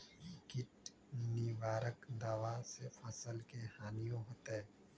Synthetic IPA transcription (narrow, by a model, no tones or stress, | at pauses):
kɪʈ | niʋaːɾəkd̪aːʋasefɐsəlkehaːnijõɦoːt̪eɛ̃ː